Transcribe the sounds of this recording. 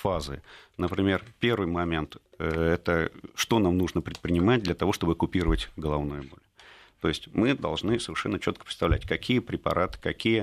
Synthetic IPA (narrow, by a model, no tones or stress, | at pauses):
fazɨ̰nəpɾʲɪmʲe̞rpʲe̞rvɨjmɐmʲe̞nt̪ | əɛt̪əʂt̪o̞namnuʐnəpɾʲɪt̪pɾʲɪnʲɪmat̚ʲd̪lʲət̪ɐvo̞ʂt̪o̞bɨkʊpʲiɾəvətʲɡəlˠɐvnujʊbo̞̰lʲ | t̪o̞̰ɪsʲtʲmɨd̪ɐ̰lˠʐnɨsəvʲɪrʂɛnːət͡ɕo̞t̪kə̥pɾʲɪt̪st̪ɐvlʲætʲkɐkʲijəpɾʲɪpɐ̰ɾʔat̪ɨ̥kɐkʲijə